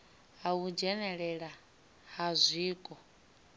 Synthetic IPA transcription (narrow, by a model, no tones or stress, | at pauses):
ɦaud͡ʒɛnɛɺɛɺa | ɦazʷiːkʼɔ